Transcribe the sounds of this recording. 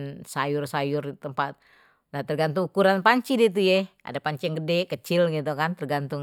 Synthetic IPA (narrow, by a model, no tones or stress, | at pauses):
nsajʊrsajʊrt̪əmpat̪̚ | naht̪ərɡant̪ʊŋukuɾanpaɲt͡ʃidit̪̬ujɛʔa̰dapaɲt͡ʃijaŋɡədɛkət͡ʃɪlɡit̪̬ukant̪ərɡant̪ʊŋ